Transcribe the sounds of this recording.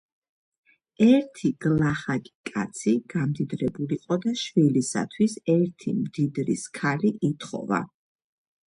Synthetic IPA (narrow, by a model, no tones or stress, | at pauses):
ɛɾt̪ʰiɡ̥lˠaχaɡikʼa̰t̪sʰiɡ̥amd̪id̪ɾɛbuliqʼɔd̪aʃwilisa̰t̪ʰwisɛɾt̪ʰimd̪id̪ɾiskʰaliʔit̪ʰχɔ̰va̰